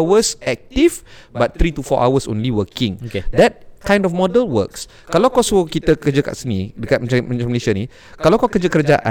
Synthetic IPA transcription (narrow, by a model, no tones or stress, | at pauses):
wəsɛk̚tifbat̪̚t̪ɾitufɔ̰ʔa̰wəsõ̰nliwəkĩŋoked̪ɛt̚kãj̃ndɔfmɔdəlwə̰ks | kalokɔsokit̪əkəd͡ʒəka̰ʔsənidəkat̚mat͡ʃamaãməleʃani | kalakɔkəd͡ʒəkəɾəd͡ʒaʔã̰